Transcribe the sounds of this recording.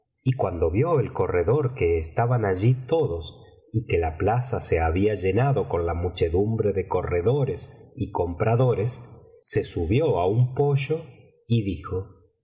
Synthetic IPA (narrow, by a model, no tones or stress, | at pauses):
ikwand̪o̞βjo̞elko̞reðo̞ɾke̞ːst̪aβanaʒit̪o̞ðo̞s | ike̞laplasase̞aβiaʒe̞naðo̞ko̞nlamut͡ʃe̞ðumbɾe̞ðe̞ko̞reðo̞ɾe̞siko̞mpɾaðo̞ɾe̞sːe̞suβjo̞aumpo̞ʒo̞ | iðixo̞